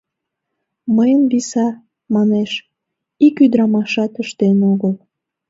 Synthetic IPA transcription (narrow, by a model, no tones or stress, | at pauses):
məjənβisɑ | mɑneʃ | ikyd̪ɾɑmɑʃɑt̪əʃt̪enoɣəl